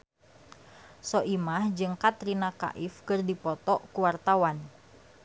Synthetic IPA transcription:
sɔʔimahd͡ʒɨŋkat̪ɾinaka̰ʔifkɨrdipɔt̪ɔkuwart̪awan

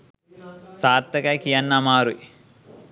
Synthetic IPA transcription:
saːɾt̪ːɐkajkijanːamaːɾuḭ

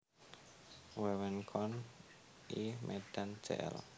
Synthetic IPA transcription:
wɛwɛnkʰɔn | imʔeɖ̥an̥d͡ʒ̥ḛʔɛ̰l

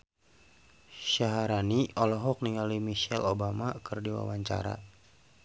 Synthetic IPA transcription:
ʃaɦaɾaniɔlɔɦɔk̚niŋalimiʃɛlobamakərdiwa̰waɲt͡ʃa̰ɾa̰

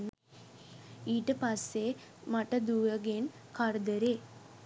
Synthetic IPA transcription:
nː | iːʈːɨpɐsːe | mɐʈːɐd̪uːjɐɡen | kɐɾd̪ɐɾe

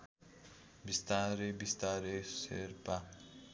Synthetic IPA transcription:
bist̪aɾebist̪aɾesḛɾpa

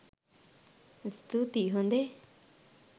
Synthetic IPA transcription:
st̪ut̪iɦõnd̪e

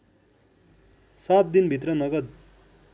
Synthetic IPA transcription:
sat̪̚d̪inbʱit̪rʌnʌɡʌd̪

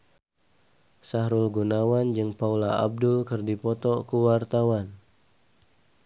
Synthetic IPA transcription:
saɦɾulɡunawand͡ʒɨŋpaulaa̰b̚dʊlkɨrdipɔt̪ɔkuwart̪awan

